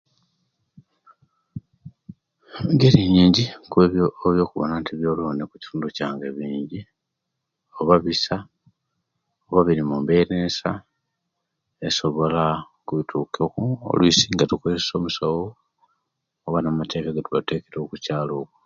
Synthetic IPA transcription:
ɡeɾiɲiːɲɟikueoβjo̞ːkuβo̰nantʰiβjo̞loːnekuci̥tuːnducaːŋɡeβiːɲɟi | o̞βaβisa | oβaβiɾimumbenesa | eso̞βo̞la | kuβitʰuːkokuo̰lwisiːŋɡatukueeso̞ːmusowo | oβanamate̞kaɡatuβate̞ːke̞ɾo̞kucaːlo̞ːku̥

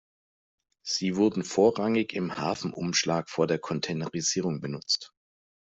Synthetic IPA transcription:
z̥iːvʊɐdn̩foːɐʁaŋɪçɪmhaːfn̩ʔʊ̰mʃlaːkfoːɐdeːɐkʰɔntʰɛnəʁiziːʁ̞ʊŋbənʊt͡st

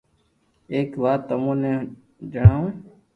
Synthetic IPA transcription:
eːkʋaːt̪ːəmũːnẽː | d͡ʒəɳaːũː

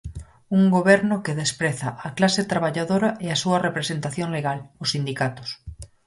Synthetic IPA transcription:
uŋɡoβɛɾnokeðespɾeθaʔaklaset̪ɾaβaʎaðoɾaeasuɐrepɾesent̪aθjoŋleɣalʊsːind̪ikat̪o̥s

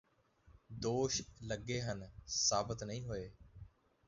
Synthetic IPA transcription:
d̪oːʃləɡeːɦənsaːbət̪nəɦĩːɦʊeː

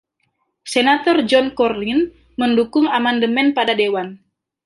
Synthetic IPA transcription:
senat̪ɔrd͡ʒɔnkɔrlin | məndukʊŋamandəmɛnpadadewan

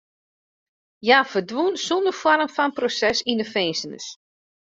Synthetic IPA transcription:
jaːfədʋunsundəfwɔrmfɔnprosɛsindəfɛːnsənə̰s

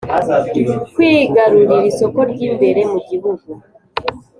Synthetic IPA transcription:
kwiɡaɾuɾiɾisokoɾɟiːmbe̞ɾemuɟiβuɡu

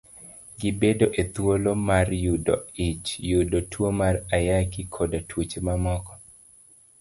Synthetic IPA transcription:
ɡɪbedoʔet̪wolomarjudoit͡ʃjudotwomarajakɪkʰodatwut͡ʃmamɔkɔ̥

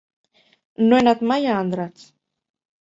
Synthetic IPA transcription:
noenat̪majaːnd̪ɾat͡s

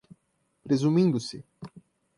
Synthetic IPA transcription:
pɾezumĩnd̪ʊsɪ

